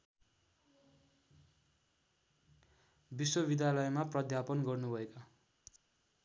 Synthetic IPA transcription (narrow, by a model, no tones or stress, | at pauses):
biswʌbid̪jalʌjmaprʌd̪ʱjapʌnɡʌrnubʱʌeka